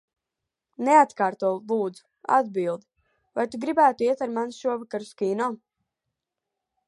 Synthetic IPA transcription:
neat̪kaːɾt̪uɔlˠuːd̪zu̥ | a̰d̪̚bilˠd̪i | vajt̪uɡɾibæːt̪uiɛt̪aɾmansʃuɔvakaɾuskiːnɔː

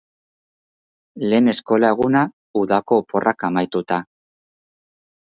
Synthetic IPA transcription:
le̞ːne̞sko̞lae̞ɣ̞una | uðako̞ːpo̞rʔakamajt̪ut̪a

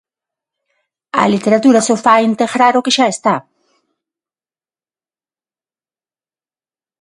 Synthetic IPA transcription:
a̰lit̪eɾat̪uɾasofaint̪eɣɾaɾokeʃaest̪a

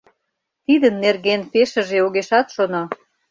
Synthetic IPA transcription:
t̪id̪ə̆nːerɣenpeʃə̆ʒeoɣeʃɑt̪ʃono

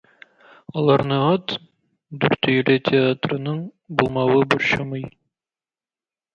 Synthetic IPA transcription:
ɒlˠɑɾnɤɑt̪ | d̪ʉɾt̪ɵ̆jɘ̆lɘtʲɪat̪rɤ̆nɤɴ | bulˠmɑwɤboɾɕɑmɤj

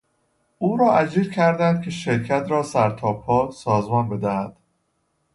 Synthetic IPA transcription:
ʔuːɾɒːæd͡ʒiːɾcʰæɾd̪ænd̪̥̚kʲʰe̞ʃeɾcʰæt̪ʰɾɒːsæɾt̪ʰɒːpʰːɒːsɒːzmɒːnbe̞d̪æhæd̪̥

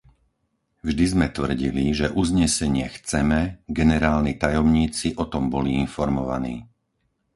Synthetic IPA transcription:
vʒd̪izmɛt̪ʋr̩ɟiliʒɛʔuzɲɛsɛɲɪɛxt͡sɛmɛɡɛnɛɾaːlnit̪ajɔmɲiːt͡siʔɔt̪ɔmbɔliinfɔɾmɔʋa̰nḭː

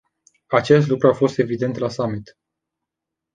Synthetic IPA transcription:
at͡ʃe̞s̬t̪lukɾuafo̞st̪e̞vid̪e̞nt̪lasamit̪

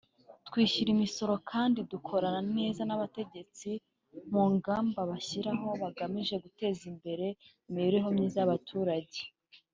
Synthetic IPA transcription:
tkwiːʃiɾimiso̞ɾo̞kʰaːndidukʰo̞ɾanane̞ːzanaβate̞ɟe̞t͡si | muŋɡaːmbaβaçiɾaɦo̞βaɡamiʒe̞ɡute̞ːzimbe̞ɾe̞imiiɾeɦo̞mɲiːzaβatʰuːɾaɟe̞

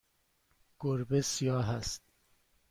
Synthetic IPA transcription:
ɡ̥oɾbesijɒːɦæst̪̚

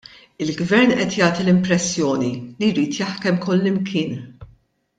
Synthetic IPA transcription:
ɪlɡvɛɾnʔɛt̪jɐːt̪ilɪmpɾɛsːjɔːnilijɾiːt̪jɐħkɛmkʊlːɪmkʰɪːn

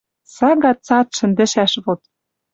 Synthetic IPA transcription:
sɑɡɑt̪t͡sɑt̪ʃɘ̆nd̪ɘ̆ʃæʃβot̪̚

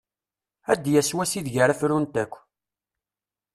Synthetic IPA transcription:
æd̪jæswæsiðʝəɾəfɾunt̪ækʷː

